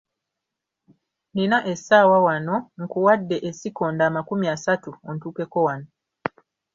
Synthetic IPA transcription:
ninaʔe̞saːwawanoŋkuwadːe̞ʔesikoːndaːmakumiasatuontuːke̞ko̞wano

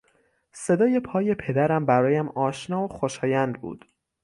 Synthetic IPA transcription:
se̞d̪ɒːje̞pʰɒːje̞pʰe̞d̪æɾæmbæɾɒːjæmɒːʃnɒːoxoʃɒːjænd̪̚bṵːd̪̥

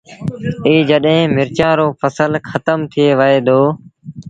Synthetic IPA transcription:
iːd͡ʒəɗɦẽːmɪɾt͡ʃãːɾoːfʰəsəlkʰət̪əmt̪ʰɪeːʋəɦeːd̪oː

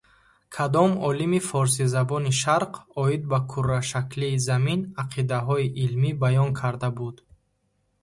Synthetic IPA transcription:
kʰad̪ɔmɔlimifɔɾs̬izabɔniʃaɾqʰɔid̪̚bakʰurːaʃakliːzaminaqʰid̪aɦɔiʔilmibajɔnkʰaɾd̪abud̪

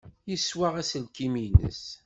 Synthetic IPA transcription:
jəswaʁæsəlkiminə̰s

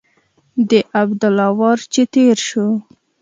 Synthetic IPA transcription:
d̪əʔabd̪ʊlɑwɑɾt͡ʃet̪eɾʃo

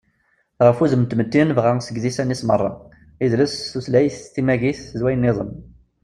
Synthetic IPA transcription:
ʁəfuzəmt̪məd̪ːinvʁasəɡðisænismərˤːɑ | iðləsːuslæjθθimæʝiθzwæjənːɪðˤəm

